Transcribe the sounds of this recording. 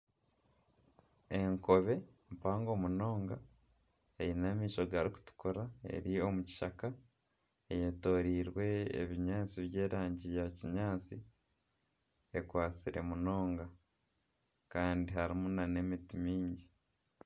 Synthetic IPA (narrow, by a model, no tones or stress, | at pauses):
e̞ŋko̞βe̞mpaːŋɡo̞muno̞ːŋɡa | ejinamiːʃo̞ɡaɾiku̥tu̥koɾae̞̰ɾio̞muci̥ʃaka | ejeto̞ːɾiːɾwe̞ḛβiɲaːt͡siβje̞ːɾaːɲɟijaciɲaːt͡si | ekwaːt͡siɾe̞muno̞ːŋɡa | kaːndiɦaɾimunane̞mitimiːɲɟi